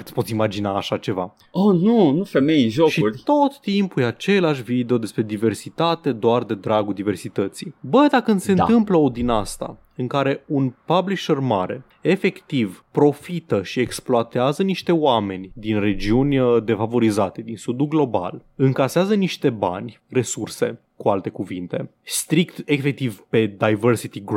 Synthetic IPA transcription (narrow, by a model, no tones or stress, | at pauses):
ɨt̪spo̞t̪simad͡ʒinaːʃat͡ʃe̞va̰ | onunufe̞me̞jɨnʒoʃiurʲt̪o̞t̪ːimpujat͡ʃe̞leaʃ̬vid̪eo̞d̪e̞spɾe̞d̪ive̞rsit̪at̪e̞d̪oard̪e̞d̪ɾaɡud̪ive̞rsit̪ət̪sibəjd̪akɨnse̞nt̪ɨmpləo̞d̪inast̪a̰ | ɨŋkaɾe̞unpabliʃerma̰ɾe̞̰ | efe̞kt̪ivpɾo̞fit̪əʃie̞ksploat̪eazəniʃt̪e̞oame̞nʲd̪inre̞d͡ʒiunʲd̪e̞favo̞ɾizat̪e̞d̪insud̪uɡlo̞ba̰lɨŋkaseazəniʃt̪e̞ba̰nʲ | re̞surse̞̰ | kualt̪e̞kuvint̪e̞̰st̪ɾikt̪efek̚t̪ivpe̞d̪ajvərsit̪iɡ